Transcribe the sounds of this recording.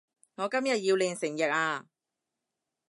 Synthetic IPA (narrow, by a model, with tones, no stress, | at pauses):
ŋɔː˨˧kɐ˥mjɐ˨t̚jiː˧wlɪː˨˧ŋsɪ˨˩ŋjɐ˨t̚aː˧